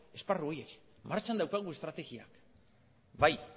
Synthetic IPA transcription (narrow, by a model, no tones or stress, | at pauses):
e̞sparuoje̞k | maɾt͡ʃand̪awkaɣ̞ue̞st̪ɾat̪e̞ɣia̰k | baj